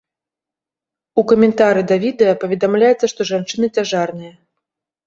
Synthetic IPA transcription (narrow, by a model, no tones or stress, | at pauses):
ukɐmʲɛnt̪aɾɨd̪ɐvʲid̪ɛjɐpɐvʲɛd̪amlʲajɛt̪sːɐʂt̪ɔʐant͡ʂɨnɨt͡sʲaʐarnɨjɐ